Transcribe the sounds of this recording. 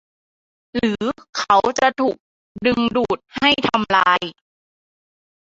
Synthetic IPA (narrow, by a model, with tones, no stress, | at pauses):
ɾɯː˩˦kʰa˦˥wt͡ɕa˨˩t̪ʰuː˨˩k̚ | dɯ˧ŋduː˨˩t̪̚ha˥˩jt̪ʰa˧mlaː˧j